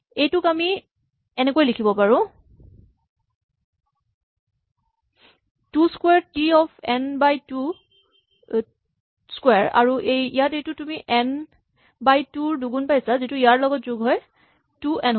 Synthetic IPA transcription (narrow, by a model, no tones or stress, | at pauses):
ejtʊkami | ɛnekojlikʰibɔpaɹʊ̃ | tuskwɛɹtiɔpʰɛnbajtu | skwɛɹa̰ɹuʔejijatejtʊtumiʔɛn | bajtuɹduɡunpajsazitʊijaɹlɔɡɔtzʊɡɦɔj | tuɛnɦ